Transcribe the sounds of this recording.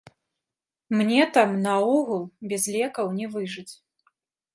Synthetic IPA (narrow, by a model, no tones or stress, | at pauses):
mnʲɛt̪amnɐuɣulˠbʲɛzlʲɛkɐwnʲɛvɨʐɨt͡sʲ